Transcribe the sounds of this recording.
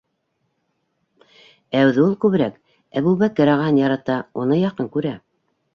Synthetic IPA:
æwðɘulˠkʉβɘ̆ɾæk | æβʉβækɤ̆ɾɑʁɑnjɑɾɑt̪ɑunɤjɑqɤŋkʉɾæ

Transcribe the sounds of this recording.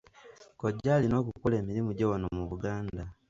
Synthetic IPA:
koɟaːlino̞ːk̬uukoleːmiɾimuɟewanomuβuɡaːnda

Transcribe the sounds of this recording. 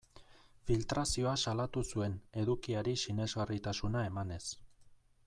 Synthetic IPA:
filt̪ɾasio̞asalat̪usue̞ne̞ðukiaɾisine̞zɣarit̪asunae̞mane̞s

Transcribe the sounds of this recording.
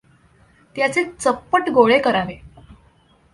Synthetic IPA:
t̪jat͡set͡səpːəʈɡoɭekəɾaʋe

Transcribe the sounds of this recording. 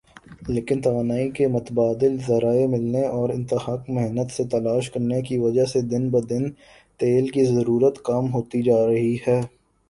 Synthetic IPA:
leːkɪnt̪ɐʋaːnaːikemʊt̪əbaːd̪ɪlzɐɾaːemɪlneɔːɾɪ̃nt̪ɪhaːkmɛɦnət̪set̪ɐlaːʃkɐɾnekiʋɐd͡ʒased̪ɪnbɐd̪ɪn | t̪eːlkizɐɾuːɾət̪kamɦoːt̪id͡ʒaːɾɐɦihɛː

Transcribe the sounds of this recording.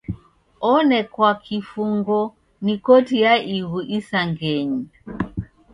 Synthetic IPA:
ɔnɛkwakʰifuŋɡɔ | nikɔtijaʔiβuʔisaŋɡɛɲi

